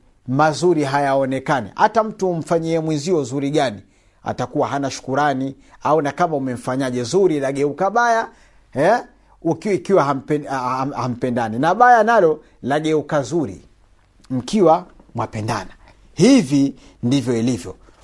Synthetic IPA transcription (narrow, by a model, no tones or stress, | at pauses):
mazuɾiɦajaɔnɛkanḭʔatam̩tum̩faɲiɛmwinziɔzuɾiɠani | a̰takuwaɦanaʃu̥kuɾani | aunakamaumɛm̩faɲaʄɛzuɾilaɠɛukaɓaja | hɛ | ukikiwaham̩pɛaham̩pɛndaninaɓajanalɔ | laɠɛukazuɾḭ | m̩kʰiwa | mwapɛnda̰na | hivi | ndivjɔilivjɔ